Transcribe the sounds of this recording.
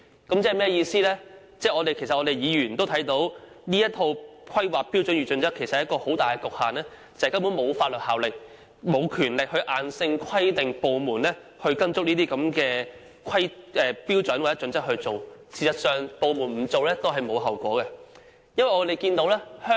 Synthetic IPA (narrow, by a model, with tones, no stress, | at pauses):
kɐ˨˥mt͡sɛ˥˨mɛː˥jiː˧siː˥lɛː˥ | t͡sɛː˥˩ɔː˨˧te˨jkʰe˨˩sɐ˨t̚ʔɔː˨˧te˨jjiː˨˧jyː˨˩nt̪o˥wt̪ʰɐ˨˥jt̪o˨˥w | niː˥jɐ˥t̪ʰo˧wkʰɐ˥jwaː˨˩k̚pːi˥wt͡sɵ˨˥nɥyː˨˩t͡ʃɵ˨˥nt͡sɐ˥kʰːe˨˩jsɐt̚ːjɐ˥kɔː˧ho˨˥wt̪aː˨jkɛ˧kʊ˨k̚haː˨nlɛː˥ | t͡sɐ˨˩hkɐ˥mpuː˨˥nmo˨˧wfaː˧t̚lɵ˨t̚haː˨wlɪ˨k̚ | mo˨˧wkʰyː˨˩nlɪ˨k̚hɵ˧ɥʔaː˨nsɪ˧ŋkʰɐ˥jt̪ɪ˨ŋpo˨wmuː˨˩nlɛː˥ | hɵ˧ɥkɐ˥nt͡sʊ˥k̚niː˥t̪iː˥kɐ˨˥mkɛː˧ | kʰɐ˥jʔɛː˨˩piː˥wt͡sɵ˨˥nwa˨˩t͡sɛ˦˥t͡ʃɵ˨˧˥nt͡sɐ˥k̚hɵ˧ɥt͡so˨wsiː˨˩sɐ˨t̚sœː˨ŋpo˨wmuː˨˩nm̩˨˩t͡so˨˧wlɛː˥t̪o˥wɦɐ˨jmo˨˧wɦɐ˨wkʷɔ̰ː˨˥kɛ˧ | jɐ˥nwɐ˨jŋɔː˨˧t̪e˨˩jkiː˧nt̪o˨˥wlɛː˥hœː˥